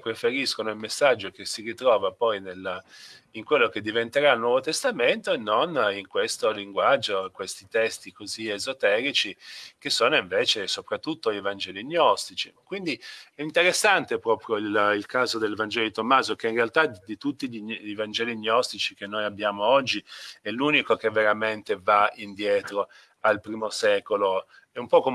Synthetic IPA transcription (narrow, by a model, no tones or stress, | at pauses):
pɾefeɾiskonoilmesːad͡ʒːok̟esirit̪ɾɔːvapɔjnel | iŋkwelːoked̪ːivent̪eɾailnːwɔːvot̪est̪ament̪oenːoniŋkwest̪oliŋɡwad͡ʒːokwest̪it̪ɛst̪ikoziezot̪ɛːɾit͡ʃik̟esːoːnoiɱveːt͡ʃesopɾat̪ːut̪ːoivand͡ʒɛːliɲːɔst̪it͡ʃikwind̪iɛint̪eɾesːant̪epɾɔːpɾjoililkaːzod̪elevand͡ʒɛlod̪it̪omːaːzok̟einrealt̪ad̪it̪ut̪ːiʎiivand͡ʒɛːliɲːɔst̪it͡ʃik̟enːojabːjaːmoɔd͡ʒːiɛluːnikok̟evːeɾament̪evaind̪jɛːt̪ɾo | alpɾiːmosɛːkolo | ɛumpɔko